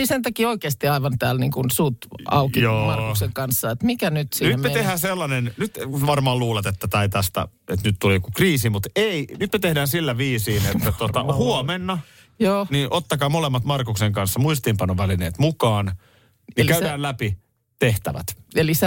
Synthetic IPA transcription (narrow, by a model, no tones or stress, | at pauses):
isent̪ɑkioikeːst̪iɑiʋɑnt̪æːlniːŋkunsut̪ɑ̰ukijoːmɑrkukseŋkɑnsːɑet̪mikænyt̪sinymmet̪ehæːselːɑnennyt̪ʋɑrmɑːluːlɑt̪et̪ːæt̪ɑit̪æst̪æ̰et̪nyt̪t̪ulikukriːsimut̪einyt̪met̪ehdæːnsilːæʋiːsiːnet̪ːæt̪ot̪ɑhuomenːɑ | joːniːnʔot̪ːɑkɑːmolemːɑt̪mɑrkukseŋkɑnsːɑmuist̪iːmpɑnoʋælineːt̪mukɑːn | jɑkæydæːllæpi | t̪eht̪æʋæ̰t̪elise